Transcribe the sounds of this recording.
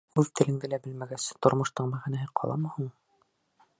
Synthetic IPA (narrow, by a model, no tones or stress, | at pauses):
uðt̪ʰɘ̆lɘ̆ŋd̪ɘlæbɘlmæɡæst̪ŏɾmoʃt̪ɤɴmæʁænæɦɘqʰɒ̰lˠɑ̰mɤ̆huɴ